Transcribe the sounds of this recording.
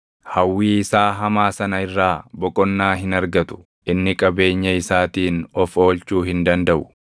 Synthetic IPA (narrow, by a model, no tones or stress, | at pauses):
hɐwːiːɪsaːɦɐmaːsɐnɐɪrːaːbɔkʼɔnːaːɦɪnɐɾɡɐt̪ʊ̥ | ʔɪnːɪkʼɐbe̞ːɲːɐɪsaːt̪iːnɔfo̞ːlt͡ʃuːɦɪnd̪ɐnd̪ɐʔʊ